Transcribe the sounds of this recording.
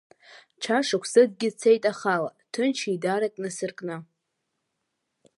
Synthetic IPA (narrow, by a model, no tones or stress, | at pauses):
ʈ͡ʂʰaʂakʷʰsɨɡ̚ɡʲɪt͡sʰejtʼaχalatʰɨnt͡ʃʰidaɾakʼnɨsɨrkʼnɨ